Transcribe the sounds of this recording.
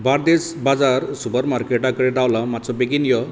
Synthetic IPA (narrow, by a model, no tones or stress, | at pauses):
baɾd̪esbad͡zaɾsupəɾmaɾkeʈãkəɽed̪awlamatːt͡sɔbekinjɔ